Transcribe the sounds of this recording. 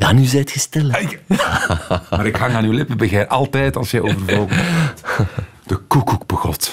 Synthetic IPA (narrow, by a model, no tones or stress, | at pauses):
janyzɛjətxəstɛlə | maːɾɪkɦɑŋaːnylɪpəbəɣɛʔɑlˠtɛjtɑlˠsjɛjoːvərvɔlˠɣət | d̥əkukuk̚bəɣɔt